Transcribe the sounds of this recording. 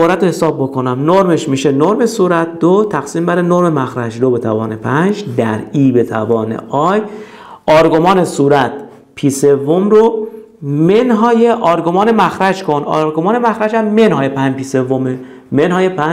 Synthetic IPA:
ɒːɾæt̪ʰohesɒːbːo̞konæmnoɾme̞ʃmiːʃenoɾme̞suːɾæt̪̚d̪ot̪ʰæxsiːmbæɾenoɾmemæxɾæd͡ʒd̪obe̞t̪ʰævɒːne̞pʰænd͡ʒd̪æ̰ɾiːbe̞t̪ʰæ̰vɒːnḛʔɒːj | ɒːɾɡomɒːne̞suːɾæt̪̚ʰ | pʰiːse̞vːomɾo | menɦɒːjeʔɒɾɡomɒːne̞mæxɾæd͡ʒkʰo̞nɒ̰ɾɡomɒːnemæxɾæd͡ʒæmːenɦɒːjepʰænd͡ʒpiːse̞vːome | menhɒːjepʰæ

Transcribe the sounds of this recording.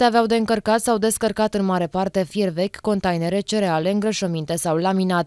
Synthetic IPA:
eaveawd̪e̞ɨŋkərkat̪sawd̪e̞skərkat̪ɨnmaɾe̞part̪e̞fjervekʲkːo̞nt̪ajneɾe̞t͡ʃeɾeale̞ɨŋɡɾəʃəmint̪e̞sawlaminat̪̚

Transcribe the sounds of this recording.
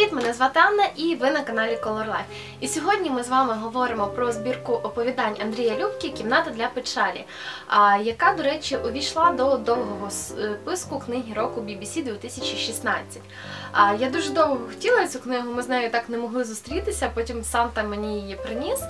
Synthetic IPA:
it̪ʲmɛnɛzʋɑt̪ɑnːɐʔiʋɪnɐkɐnɑlʲikɔlˠɔrlˠɑ̰jf | isʲɔɦɔdʲnʲimɪzʋɑmɪɦɔʋɔɾɪmɔpɾɔzbʲirkʊʔɔpɔʋʲid̪ɑnʲɐnd̪ɾʲijɐlʲupkʲikʲimnɑt̪ɐd̪lʲɐpɪt͡ʃɑlʲḭ | jɐkɑd̪ɔɾɛt͡ʃʲiʔɔʋʲijʃlˠɑd̪ɔd̪ɔwɦɔɦɔspɪskʊknɪɦʲiɾɔkʊbʲibʲisʲid̪ʋʲit̪ɪsʲɐt͡ʃiʃisnɑt͡sʲɐtʲː | jad̪uʒɛd̪ɔwɦɔxtʲilˠɐt͡sʲuknɪɦʊmɪznɑjʊt̪ɑknɛmɔɦlˠɪzʊst̪ɾʲit̪ɪsʲɐpɔtʲimsɑnt̪ɐmenʲijjɛpɾɪnʲis

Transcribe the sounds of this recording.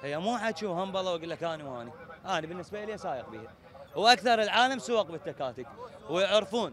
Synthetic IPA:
hijːamuːħat̪ʃuwhambɑlˤɑwɡəlːakʔaːniwhaːniʔaːnibɪnːɪsbaʔɪliːasaːjəqbḭːha | wʔakθɑɾˤəlʕaːlamsʊwaq̚bɪt̪ːakaːt̪akwjɪʕɾfuːn

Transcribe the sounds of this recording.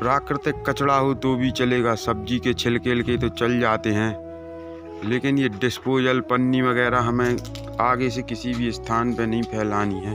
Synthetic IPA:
pɾaːkɾɪt̪ɪkːət͡ʃɽaɦot̪oːbʱit͡ʃəleːɡaːsɐb̚d͡ʒiket͡ʃʰɪlkelket̪ot͡ʃɐld͡ʒaːt̪eɦɛ̃ː | leːkɪnjeɖɪspoːjəlpənːiʋəɣɛːɾaɦɐmẽ | aːɡes̬ekɪsibʱist̪ʰaːnpenɐɦĩpʰɛːlaːniɦɛ̃ː

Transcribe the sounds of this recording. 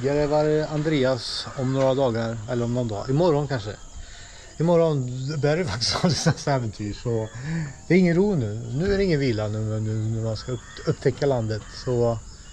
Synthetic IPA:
jɛleːvaɾand̪ɾeːasɔmnoːɾad̪ɑːɡaɾɛlːəɾɔmnɔnd̪ɑ̰ːɪmɔɾɔnkʰanʂə̰ | ɪmɔɾɔnbæɾjɛfak̚t̪ɪ̥st̪ɔd̪ɪsɛsɛːvənt̪ʰyːʂɔd̪̥ɛːɾɪŋːənɾuːnʉːnʉ̟ːæɾɛɪŋːənviːlanʉnʉnæɾmanska | ɵpːt̪ʰɛkːaland̪ət̪sɔ

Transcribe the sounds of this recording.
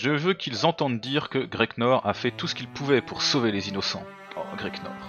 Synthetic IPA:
ʒəvøkʰʲilzɑ̃t̪ɑ̃d̪d̪iʁkəɡʁɛknɔʁa̰fɛt̪usə̥kʲilpʰuvɛpʰuʁsovelezinɔsɑ̰̃ | ɡʁɛknɔ̰ʁ

